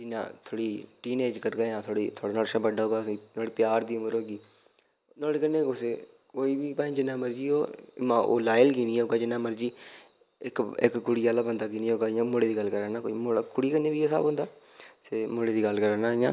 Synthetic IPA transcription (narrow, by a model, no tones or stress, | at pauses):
d͡ʒɪnã̰ːt̪ʰoːɽiːʈiːneːd͡ʒkəɾɡ̪aːãːt̪ʰoːɽḭːt̪ʰoːɽaːnaːɾʃãːbəɖaːɦoːɡaːinoːɽiːpɪjaːɾd̪iːʊməɾɦoːɡiː | noːɽiːkənːẽːoseː | koːiːbiːpãːĩd͡ʒɪnːãːməɾd͡ʒiːɦoːmãːʔo̰ːlaːjlkiːnĩːɦoːɡaːd͡ʒɪnːãːməɾd͡ʒiː | ɪkɪ̰kkʊɽiːaːlaːbənd̪aːkiːnĩːɦoːɡaːɪjãːmoːɽeːd̪iːɡəlkəɾaːnaːkoimoakʊɽiːkənːeːbiːoːsa̰bõːnd̪aːseːmoːɽeːd̪iːɡəlkəɾaːnaːɪjãː